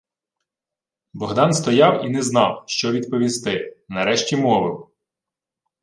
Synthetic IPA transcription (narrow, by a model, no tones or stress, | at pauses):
bɔɦd̪ɑnst̪ɔjɑwinɛznɑwʃt͡ʃɔʋʲid̪pɔʋʲist̪ɪnɐɾɛʃtʲimɔʋɪw